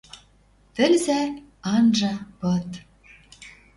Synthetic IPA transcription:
t̪ɘ̆lzæ | ɑnʒɑpɤt̪

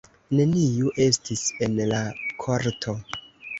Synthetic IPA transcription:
ne̞nijuʔe̞stise̞nlakʰoɾtʰo̞

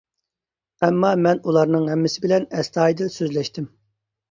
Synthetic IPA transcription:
ɛmːɑmɛnulˠɑɾnɨŋɦɛmːɪsɪbɪlɛnɛst̪ʰɑːjd̪ɪlsøzlɛʃt̪ʰɪm

